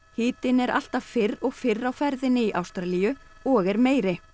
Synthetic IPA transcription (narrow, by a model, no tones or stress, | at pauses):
hɪːt̪ɪnɛɾʔa̰l̥t̪av̥fɪɾɔɣfɪrːawfɛɾðɪnɪiʔa̰wst̪ɾalijʏ | ɔɣɛɾmeːjɾɪ